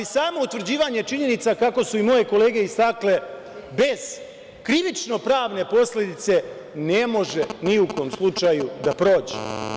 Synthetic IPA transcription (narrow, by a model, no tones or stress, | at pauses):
isaːmo̞ut̪ʋɾ̩d͡ʑiːʋaɲe̞t͡ʃiɲe̞nit̪sakako̞suimo̞je̞ko̞le̞ːɡe̞ist̪akle̞ | be̞z̥ | kɾiʋit͡ʃno̞pɾaːʋne̞po̞slʲe̞d̪it̪se̞ | ne̞mo̞ʒe̞niuko̞ːmslˠut͡ʃajud̪apɾo̞ːd͡ʑḛ